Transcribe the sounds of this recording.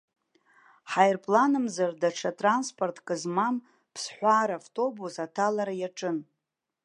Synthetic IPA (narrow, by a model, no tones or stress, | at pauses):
ħajrpʼlanɨmzardaʈ͡ʂʰatʼranspʰʼortʰʼkʼɨzmam | pʰsħʷaːɾavtʼo̞busatʰalaɾajaʈ͡ʂʼɨn